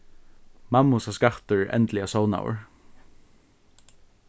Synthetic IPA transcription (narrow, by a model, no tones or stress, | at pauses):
mamʊsaskaht̪əɹɛ̰nt̪lɪasɔʊna̰wə̰ɹ